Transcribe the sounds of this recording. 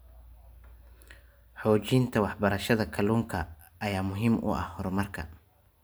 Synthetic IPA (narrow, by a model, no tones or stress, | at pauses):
ħɔːt͡ʃiːnt̪ʰɐwɑħbɐɾɐʃɐðɐkʰɐluːŋkʰɐː | jaːmʊɦiːmʔʊ̰ʔɐ̰hhɔrmɐrkʰɐ̰